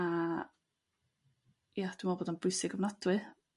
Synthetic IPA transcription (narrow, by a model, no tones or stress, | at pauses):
a | jad̥umaboːdanbʊjsɪɡɔmnad̥wɨ